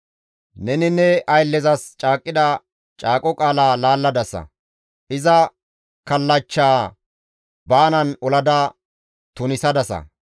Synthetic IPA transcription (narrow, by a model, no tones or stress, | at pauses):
nɛnɪnːɛʔɐjlːɛzɐst͡ʃʼaːkʼːɪd̪ɐ | t͡ʃʼaːkʼɔkʼaːlaːlaːlːɐd̪ɐsɐ̰ | ʔɪzɐ | kɐlːɐt͡ʃːaː | baːnɐnɔlɐd̪ɐ | t̪ʊnɪsɐd̪ɐsɐ̰